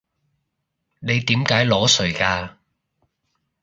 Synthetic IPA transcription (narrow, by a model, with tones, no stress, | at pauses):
ne˨˧jt̪iː˨˥mkaː˨˥jlɔː˨˥sɵ˨˩kaː˧